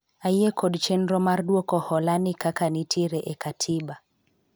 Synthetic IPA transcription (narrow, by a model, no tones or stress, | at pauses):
ajɛkʰɔdt͡ʃɛnɾɔmaɾduɔkɔhɔlanikakanitʰiɾɛʔɛkatʰiba